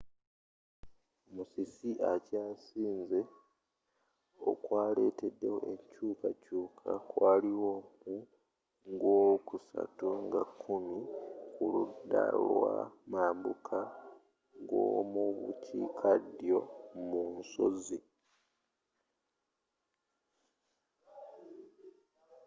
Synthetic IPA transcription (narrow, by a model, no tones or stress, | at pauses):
omusisiʔacaːsiːnze̞ | o̞̰kwaːle̞ːte̞dːe̞ho̞̰ʔeɲcuːkacuːkʰakwaːliwomu | ŋɡoːkusa̰tuŋɡakʰːumikuludːa̰lwa̰maːmbukʰa | ɡo̰muβṵcʰiːkʰadjo̞munso̞̰zi